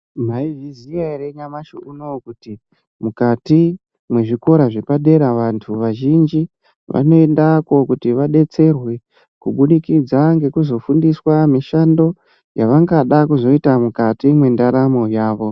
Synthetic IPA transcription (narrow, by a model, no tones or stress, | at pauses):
m̤aiviziaiɾeɲamaʃoʔuno̞kuti | mukati | mwe̞ʐiko̞ɾaʐepaɗe̞ɾaʋantʰuʋaʒind͡ʒi | ʋa̰no̞endako̞kutiʋaɗe̞t͡se̞rwe̞ | kuɓuɗikid͡zaŋɡe̞kuzo̞fundiswamiʃando̞ | jaʋaŋɡaɗakuzo̞itamukatimwe̞ndaɾamo̞jaːʋo̞